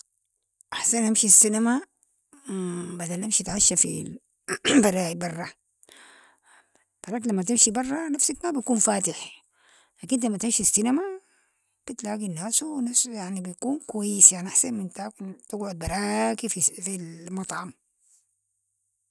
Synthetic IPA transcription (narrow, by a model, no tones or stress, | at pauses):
ʔaħsanʔamʃisːinama | bad̪anʔamʃit̪ʕaʃːafḭ | bɑɾˤɑːibɑrˤːɑ | b̥ɑɾˤɑːkilamːat̪imʃibɑrˤːɑnafsakmabit̪kuːnfaːt̪ɪħ | laːkint̪lamːat̪imʃisːinama | b̥it̪laːɡinːaːsuwnasjaʕnibijkuːnkuwajːisjaʕniʔaħsanmint̪akt̪ɪɡʕʊd̪̚bɑɾˤɑːkififilmɑt̪ˤʕɑm